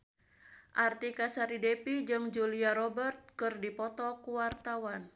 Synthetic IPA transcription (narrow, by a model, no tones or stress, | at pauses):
ʔart̪ikasaɾidɛpid͡ʒɨŋd͡ʒuliaɾɔbərt̪̚kɨrdipɔt̪ɔkuwart̪awan